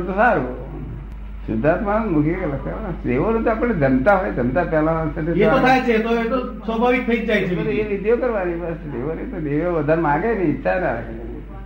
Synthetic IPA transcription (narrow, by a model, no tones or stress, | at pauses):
t̪osaɾo | sṵd̪ʱat̪mãmukʰjekləkt̪aad̪eʋonõt̪oapəɽːed͡ʒəmt̪aɦojed͡ʒəmt̪apjalasəʈʰeepət̪ʰajt͡ʃʰet̪oet̪osəbʱaʋik̚t̪ʰəid͡ʒd͡ʒajt͡ʃʰet̪oeʋid̪ʱjokəɾʋanipased̪eʋonet̪od̪eʋoʋəd̪ʱaɾmãɡenĩitːʃʰana